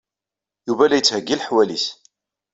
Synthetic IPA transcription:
juvælæjət͡sːhəɡːilħwælis

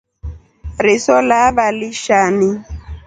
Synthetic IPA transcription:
ɾɪsɔlabaliʃani

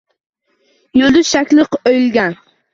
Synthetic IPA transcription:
jʊd̪ɪʃakʲlˠɨqojlɡʲan

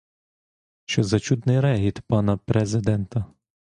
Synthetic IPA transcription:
ʃt͡ʃɔzɐt͡ʃud̪nɪjɾɛɦʲit̪pɑnɐpɾɛzɪd̪ɛnt̪ɐ

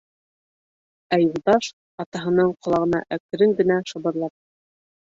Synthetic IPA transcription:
æjulˠd̪ɑʃ | ɑt̪ɑɦɤ̆nɤɴqŏlˠɑʁɤ̆nɑ̰ʔækɘ̆ɾɘŋɡɘ̆næʃŏβɤ̆ɾlˠɑp̚

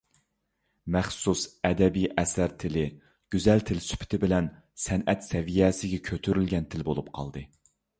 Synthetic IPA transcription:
mɛχsusɛd̪ɛbijʔɛsæɾt̪ʰɪlɪ | ɡ̥ʲyzɛlt̪ʰɪlsy̥pʰɪ̥t̪ʰɪbɪlɛn | sɛnʔɛt̪sɛvijɛsɪɡʲɛkʲʰøt̪ʰyɾylɡʲɛnt̪ʰɪlbolˠupqʰɑ̰lˠd̪ɨ

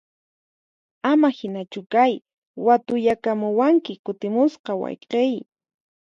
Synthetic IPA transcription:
amahɪnat͡ʃʊkaj | wat̪ʊʎakamʊwaŋkɪkʊt̪ɪmʊsqɑwɑ̰jqej

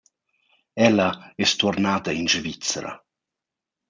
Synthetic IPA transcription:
ɛlːaɛst̪uɾnaːd̪ainʃvit͡sɾa̰

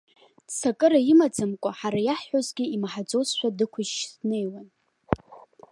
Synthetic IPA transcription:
sakʼɨɾaimad͡zamkʷʼaħaɾajaħːozɡʲiimaħad͡zʷʼosʃʷᶣadɨkʷʰʊʒːsne̞jwan

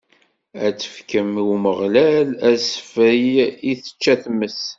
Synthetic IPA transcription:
æt͡sːə̥fkəmiwməʁlælæsəfəjiθə̥t͡ʃːæθməs

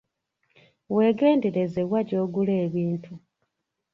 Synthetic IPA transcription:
we̞ːɡe̞ːndeɾezewaɟo̞ːɡuleːβiːntʰu

